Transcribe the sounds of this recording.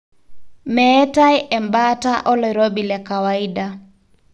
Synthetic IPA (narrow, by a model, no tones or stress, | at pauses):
mɛːtajʔɛmbataʔɔlɔɾobilɛkawaida